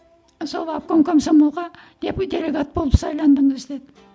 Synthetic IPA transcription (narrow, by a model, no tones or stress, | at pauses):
so̞lˠɑp̚koŋkʲʰɵmsomolˠʁɑ | d̪e̞pd̪ʲe̞lʲe̞ɡat̪̚bo̞lˠəpsɑjlˠɑnd̪əɴəzd̪ed̪ɪ